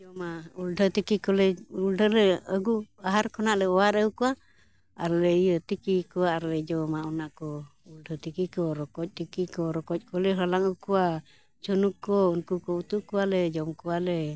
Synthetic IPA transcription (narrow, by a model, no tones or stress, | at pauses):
d͡ʒɔmauldʱɔt̪ikikɔlɛuldɔlɛəɡuaɦaɾkɔnaʔlɛɔwaɾəukuaː | ɾlɛijət̪ikikuaaɾlɛd͡ʒɔmaunaʔkɔ | uldɔt̪ikikɔɾɔkɔc̚ˀt̪ikikɔɾɔkɔc̪̚kɔlɛɦɔlaŋukua | t͡ʃɔnukɔunkukɔut̪uʔkualɛd͡ʒɔmkualɛ